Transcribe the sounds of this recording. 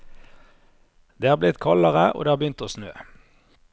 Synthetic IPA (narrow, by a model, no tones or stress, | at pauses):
d̪̥eːhɑːʁblɪt̪kʰɑləʁəʔo̰d̪eːhɑːbjʏnt̪oːsnøː